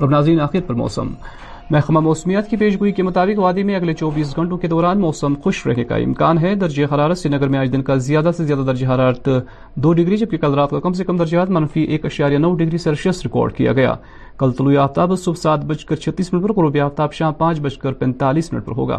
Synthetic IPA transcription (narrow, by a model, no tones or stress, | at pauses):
ɾɐbnaːzɾiːnaːxɪɾət̪pɐɾmɔ̰ːsə̰mː | ɛɦxmamɔːsmijət̪kipeːʃ̬ɡoikemʊt̪aːbɪkʋaːd̪emẽɐɡlet͡ʃɔːbiːs̬ɡʱɐ̃ɳʈõked̪ɔːɾaːnmɔːsəmxʊʃɾɛ̰ɦneka̰ɪ̰̃mkaːnɦɛd̪ɐɾd͡ʒexɐɾaːɾət̪senɐɡəɾmẽaːd͡ʒd̪ɪnkazɪjaːd̪asezjaːd̪ad̪ɐɾd͡ʒeɦɐɾaːɾət̪ | d̪oːɖɪɡɾid͡ʒɐb̚kekɐlɾaːt̪̚kakɐms̬ekɐmd̪ɐɾd͡ʒɦat̪mɐnfiʔeːkɐʃaːɾijanɐːɖɪɡɾiseɐɾʃɐsɾɪkɔ̰ːɾɖkḭja̰ɡɐja̰ː | kɐlt̪ɐluiaːft̪aːbsʊbsaːt̪̚bɐt͡ʃkɐɾt͡ʃʰɐt̪ːiːsmɪnəʈ̚pɐɾkoɾoːbiaːft̪aːbʃãːmpãːt͡ʃbɐt͡ʃkɐɾpɛ̃ːnt̪aːliːsmɪnə̰ʈ̚pɐɾɦo̰ːɡa̰ː